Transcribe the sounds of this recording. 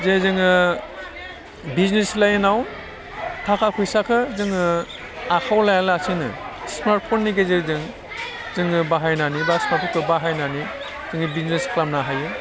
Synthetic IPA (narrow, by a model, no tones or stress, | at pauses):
zezɯŋɯ | bizneslajnawn | tʰakʰakʰujsakʰɯzɯŋɯ | akʰawlajalasinɯ̰smaɾt̚pʰonːiɡezezɯŋ | zɯŋɯbaɦajnanibasmaɾpʰɔkʰɯbaɦajnani | z̥ɯŋibiznesklamnaɦajɯ